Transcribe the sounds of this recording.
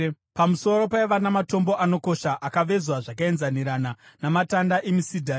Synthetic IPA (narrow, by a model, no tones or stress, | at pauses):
pamusoɾo̞paeʋanamato̞mbo̞ʔano̞ko̞ʃaʔakaʋe̞zwaʐakae̞nzaniɾananamatandaʔemisidʱa